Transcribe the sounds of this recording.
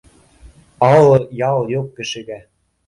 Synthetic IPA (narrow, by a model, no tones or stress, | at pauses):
ɑlɤ̆jɑlˠjokːɘ̆ʃɘ̆ɣæ